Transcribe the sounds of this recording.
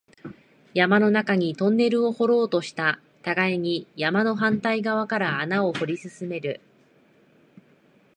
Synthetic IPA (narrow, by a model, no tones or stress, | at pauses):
jamano̞nakaɲ̟it̪õ̞nːe̞ɾɯ̟o̞ho̞ɾo̞ːt̪o̞ɕi̥t̪a | t̪aɡaiɲ̟ijamano̞ɦãnt̪aiɡaβ̞akaɾaːnao̞ho̞ɾʲisɨsɨme̞ɾɯ̟